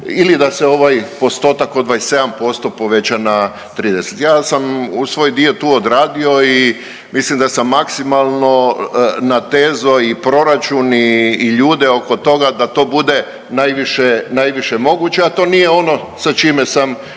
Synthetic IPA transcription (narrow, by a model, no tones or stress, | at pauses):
ilid̪aseo̞ʋajpo̞st̪o̞t̪akod̪ʋajse̞d̪ampo̞st̪o̞po̞ʋe̞t͡ɕana | t̪ɾiːd̪eset̪jaːsamusʋo̞ːjd̪io̞t̪uːod̪ɾaːd̪io̞i | mislimd̪asamːaksimalˠno̞nat̪eːzoipɾo̞ɾat͡ʃuniːʎuːd̪eoko̞t̪o̞ɡad̪at̪o̞ːbud̪e | najʋiʃenajʋiʃemo̞ɡut͡ɕeat̪o̞ːnijeo̞no̞ | sat͡ʃimesam